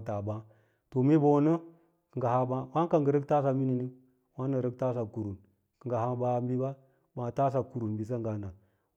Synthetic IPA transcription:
ta˨ba˦ | to˨mi˦bo˦˨˦nə˦ | kə˨ŋ˨ɡa˨ha˦ba˦wa˦ŋka˦ŋɡə˨ɾə˦k̚ta˦s̬a˨mi˦ni˨ni˦ | wa˦nə˨ɾə˦k̚ta˦s̬a˨ku˨ɾu˨n | kə˨ɡa˨ha˦ba˨˦mbi˦ba˦ | ba˨ta˦s̬a˨ku˨ɾu˨nbi˨s̬a˦ŋɡa˨na˨

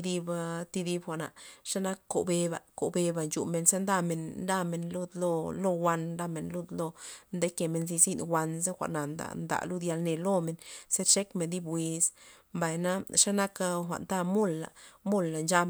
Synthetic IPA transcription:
d̪i˧bt̪i˧d̪i˧bxʷa˨ʔna̰˨ʂa˦na˦kko̰˨be˧ba̰˨ko̰˨be˧ba˨nt͡ʃṵ˨me˨nse˦nd̪a˦me˨nɾa˦me˧nlu˦d̪lo˧lo˦wʷa˧nɾa˧me˨nlu˦˧d̪lo˦nd̪e˦ke˨me˧nzi˧zi˦d̪wʷa˧nz̬e˦xʷa̰˨ʔna˨nd̪a̰˨nd̪a̰˨lu˦d̪ja˧lne˧lo˦me˧nse˦ɾʂe˦kme˨nd̪i˦bwʷi˧s | mba˨jna˦ʂa˦na˦ka˦xʷa̰˨ʔnd̪a˦mu˦lːa̰˨mu˦lːa˨nd͡ʒa˧

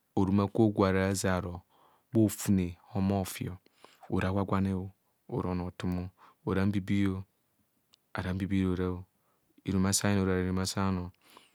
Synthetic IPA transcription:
o˨ɾu˨ma˦ko˦ɡʷa˨ɾa˨˦za˨ɾo˨ | bo˦˨fu˦ne˨ho˦mo˦˨fḭ˦˨o˨ | o̰˨ɾa˨˦wʷa˦ɡʷa˦ne˦o˦ | o˨ɾo˨no˨tu˦mo˦o˨ɾa˦m̩˦bi˦bi˦jo˦ | a̰˨ɾa˨˦m̩˦bi˦bi˦ɾo˨ɾa˦o˦ | i˨ɾu˨ma˦sa˦ji˦no˨ɾa˨ɾu˨ma˦sa˦no˨

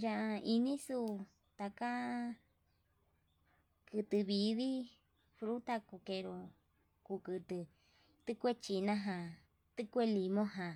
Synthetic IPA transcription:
jã˧ʔa˧i˧nĩ˦su˧ | t̪a˧ka˦ | kɨ˧t̪ɨ˧βi˧βi˦ | fɾu˦t̪a˦˧ku˧ke˧ɾo˧ | ku˧kɨ˧t̪ɨ˧ | t̪ɨ˦kʷe˦t͡ʃi˧nã˦ɦã˧ | t̪ɨ˦kʷe˦li˧mõ˦ɦã˨

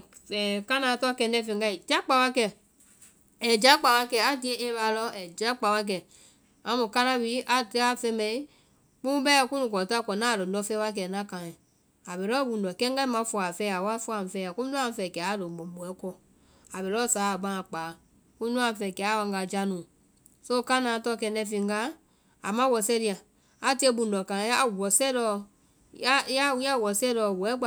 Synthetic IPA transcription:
ɛ˨ka˦nã˨˦tɔ˦kɛ̃˧ndɛ˦fẽ˨ŋɡa˧˦i˨d͡ʒa˦k͡pa˧˦wa˦kɛ˧˨ | ɛ˨d͡ʒa˦k͡pa˨˧wa˧kɛ˧˨a˨dĩ˨ɛ̃˦ʔẽ˦ba˧˨lɔ˦ɛ˨d͡ʒa˦k͡pa˨˧wa˧k̬ɛ˨ | ã˧˦mũ˨ka˦nã˦wi˦ʔa˨tɨ˦a˦fɛ̃˧˦mɛ˧i˦ | k͡pũ˦bɛ˦˧˦kũ˦nũ˧˨kɔ˨ta˦˨kɔ˨nãː˦˨ɾɨ˨dɔ˧˦fɛ˦wa˦k̬ɛ˧˨nã˦kã˨ɛ̃˨ | a˨be˨lɔ˦bũ˨ndɔ˨kɛ̃˦ɡa˦i˦mã˧˦fɔ˧˨a˨fɛ˧˦a˨wa˦fɔ˧˦a˨fɛ˧˦a˨kũ˦nũ˦ã˦˨˦fɛ˨kɛ˨a˦˨ɾo˨bo˨bu˨ɛ˦kɔ˧˨ | a˨be˨lɔ˦˨saː˨˦a˨ɡ͡bã˦˨k͡paː˨˦ | kũ˦nũ˦ã˧˨fɛ˧˨kɛ˨a˨˦wa˧ŋɡa˧˨d͡ʒa˧nũː˨ | so˦˧ka˦nãː˨˦tɔ˦˨kɛ̃˧˨ndɛ˧˦˨fĩ˧˨ŋɡa˦ | a˨mã˦wɔ˨sɛ˦ɾi˧ã˨ | a˨ti˦e˧˦bũ˨˧ndɔ˨kã˨˦a˦˨wɔ˨sɛ˦dɔ˧˦˨ | ja˦ja˦wja˦˨wɔ˨sɛ˦ɾɔ˧˨bu˨ɛ˦ɡ͡ba˨

